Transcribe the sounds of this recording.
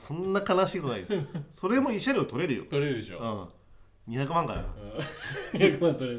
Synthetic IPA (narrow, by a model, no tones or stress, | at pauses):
sõ̞nːakanaɕiːt̪onaitoso̞ɾe̞moiɕːaɾiot̪oɾe̞ɾɯ̟jo̰t̪oɾeɾɯd̪eɕo̰ɯ̃ː | ɲ̟içakɯ̟mãŋka̰ɾa̰ | ɲiçakɯmãnt̪oɾe